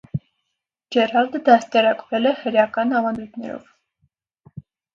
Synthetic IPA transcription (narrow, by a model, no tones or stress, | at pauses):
d͡ʒɛɾɑld̪əd̪ɑst̪ɛɾɑkvɛlɛhəɾjɑkɑnɑvɑnd̪ujt̪ʰnɛ̰ɾɔ̰v